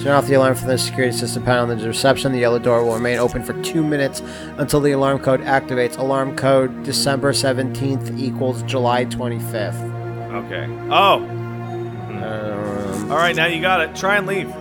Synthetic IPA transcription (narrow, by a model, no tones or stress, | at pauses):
sat̪̚ðiɨlɑɹmfə̃m̩ðɪsɨ̥kʰj̥ʊɹɨɾisɪstə̃pʰãʊɾn̩ðɨɹɨsɛpʃɨ̃nðiɛlˠədɔɹwəlˠɹəmẽɪ̃ñoʊpɨ̃nfə˞tʰʉmɪ̃nɨts | ə̃ntʰɪlˠðiəlɑɹmkʰoʊɾæk̚tɨveɪtsəlɑɹmkʰoʊddɨsɛ̃mbə˞sɛvɨ̃ntʰĩnθikwl̩ˠzd͡ʒəlaɪtʰw̥ɛ̃ɾ̃ifɪfθ | oʊkʰḛɪ | ʔoʊ | ʌmɔlˠɹaɪt̚ⁿnaʊjɨɡɑɾɨtʰɹ̥aɪɨ̃nliv̥